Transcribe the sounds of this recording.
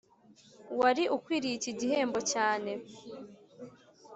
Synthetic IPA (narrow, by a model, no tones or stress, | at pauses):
waɾiʔukwiːɾiciɟihe̞ːmbo̞caːne̞